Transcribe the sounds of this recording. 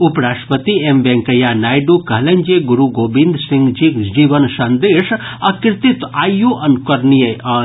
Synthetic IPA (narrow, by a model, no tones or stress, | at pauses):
upɾaːʃʈəpət̪iembɛ̃ŋkəjanaːjɖukɐɦlẽnd͡ʒeɡuɾuɡoːbĩnd̪sĩŋɡd͡ʒikd͡ʒiːʋənsɐnd̪eːʃɐkɾɪt̪it̪aːijoʔɐnkəɾnijəɐ